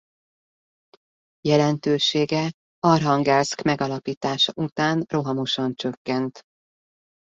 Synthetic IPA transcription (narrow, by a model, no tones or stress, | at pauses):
jɛlɛnt̪øːʃeːɡɛ | ɒrɦɒŋɡaskmɛɡɒlɒpiːt̪aːʃɒʔut̪aːnro̞ɦɒmo̞ʃɒnt͡ʃø̞kːɛnt̪